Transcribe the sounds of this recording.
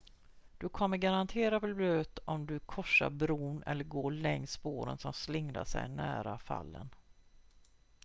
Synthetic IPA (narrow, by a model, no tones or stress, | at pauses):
d̪̥ɵkʰɔmːəɾɡaɾant̪ʰeːɾafəlbløːt̪ɔmd̪ɵkʰɔʂːaɾbɾuːnɛ̰lːəɾɡoːɭɛŋspoːɾənsɔmslɪŋna̰ʂɛjnæːɾafa̰lːən